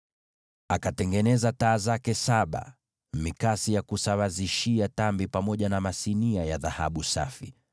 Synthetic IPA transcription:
akatɛŋɡɛnɛzataːzakɛsaɓa̰ | mikasijakusawaziʃiatambipamɔʄanamasiniajaðaha̰ɓusa̰fi

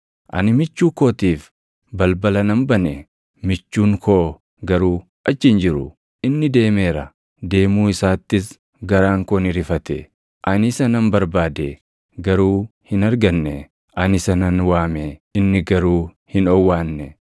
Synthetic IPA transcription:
ʔɐ̰nɪmɪt͡ʃːuːkoːt̪iːf | bɐlbɐlɐnɐmbɐnɛ | mɪt͡ʃːuːŋkʰoː | ɡɐɾuː | ʔɐt͡ʃːɪnd͡ʒɪɾʊ̰ | ɪnːɪd̪e̞ːmeːɾɐ | d̪e̞ːmuːɪsaːt̪ːɪs | ɡɐɾaːŋkɔnɪɾɪfɐt̪ɛ̰ | ʔɐnɪsɐnɐmbɐɾbaːd̪e | ɡɐɾuːhɪnɐɾɡɐnːɛ | ʔɐnɪsɐnɐnwaːmeɪnːɪɡɐɾuː | hɪnɔwːaːnːɛ

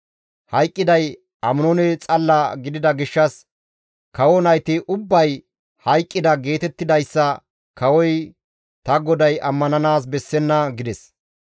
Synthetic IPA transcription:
hɐjkʼːɪd̪ɐj | ɐmʊnɔnɛt͡sʼɐlːɐɡɪd̪ɪd̪ɐɡɪʃːɐs | kɐwɔnɐjt̪ɪʔʊbːɐj | hɐjkʼːɪd̪ɐɡe̞ːt̪ɛt̪ːɪd̪ɐjsːɐ | kɐwɔj | t̪ɐɡɔd̪ɐjʔɐmːɐnɐnaːs̬bɛsːɛnːɐɡɪd̪ɛs

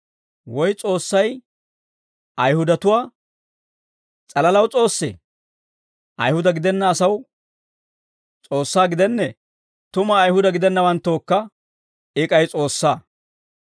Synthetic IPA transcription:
wɔjt͡sʼo̞ːsːɐj | ʔɐjhʊd̪ɐt̪ʊwaː | t͡sʼɐlɐlɐwt͡sʼo̞ːsːɛ̰ | ʔɐ̰jhʊd̪ɐɡɪd̪ɛnːɐːsɐw | t͡sʼo̞ːsːaːɡɪd̪ɛnːɛ | t̪ʊmɐːjhʊd̪ɐɡɪd̪ɛnːɐwɐnt̪ːoːkːɐ | ɪkʼɐjt͡sʼo̞ːsːaː

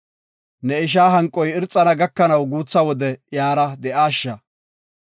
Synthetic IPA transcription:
nɛɪʃ̬aːɦɐŋkʼːɔjɪɾt͡sʼːɐnɐɡɐkːɐnɐwɡuːt͡sːɐwɔd̪ɛjaːɾɐd̪ɛʔaːʃːɐ

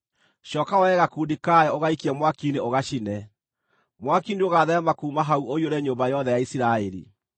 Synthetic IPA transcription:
ʃɔːkawɛɣakuːdikaɛoɣaikiɛmwakineoɣaʃinɛ | mwakindeoɣaðɛɛmakuːmaɦauoioɾɛɲoːmbajɔðɛjaisiɾaɛɾḭ

